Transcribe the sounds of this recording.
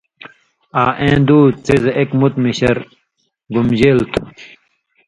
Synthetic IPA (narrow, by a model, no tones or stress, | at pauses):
aːʔẽːd̪uːt͡sizekmut̪miɕɐɾ | ɡumd͡ʑelt̪ʰu̥